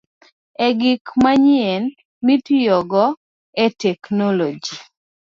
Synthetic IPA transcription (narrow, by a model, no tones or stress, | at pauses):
ɛɡɪkmaɲiɛn | mitjɔɡɔ | ɛtɛknɔlɔd͡ʒi